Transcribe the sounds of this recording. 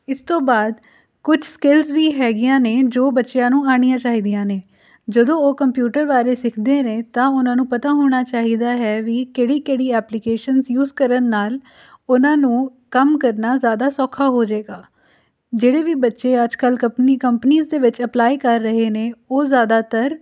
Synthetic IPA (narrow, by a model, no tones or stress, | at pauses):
ɪst̪õːbaːd̪ | kʊd͡ʒskɪlzʋiːɦɛːɡɪjãːneːd͡ʒoːbətːʃjãːnũːaːɽ̃ijãːt͡ʃaːɦiːd̪ijãːneː | d͡ʒəd̪õːoːkəmpjuːʈəɾʋaːɾeːsɪkʰd̪eːneːt̪ãːʊnãːnũːpət̪aːɦoːɽ̃aːt͡ʃaːɦiːd̪aːɦɛːʋiːkeːɽiːkeːɽiːɛːplɪkeːʃənzjuːzkəɾənːaːl | ʊnãːnũː | kəmkəɾnaːzjaːd̪aːsɔːkʰaːɦoːd͡ʒaeːɡaː | d͡ʒeːɽeːʋiːbətːʃeːəd͡ʒkəlkəpniːkəmpəniːzd̪eːʋɪt͡ʃəplaːikəɾːəɦeːneːoːzjaːd̪aːt̪əɾ